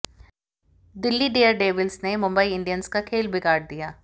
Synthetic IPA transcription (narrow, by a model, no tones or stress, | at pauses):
d̪ɪlːiɖeːəɾɖeːʋɪlsnemʊ̃mbəiɪ̃ɳɖijənskakʰeːlbɪkaːɾɖ̚d̪ijaː